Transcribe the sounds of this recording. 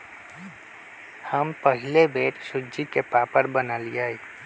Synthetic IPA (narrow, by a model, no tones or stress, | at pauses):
həmpɐɦɪlebeːʈsʊd͡ʒikepaːpəɾbɐnaːliaːiː